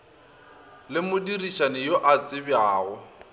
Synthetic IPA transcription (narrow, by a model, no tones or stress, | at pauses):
lɪmʊdiriʃanɪjoʔat͡sʼɪbjaːɣɔ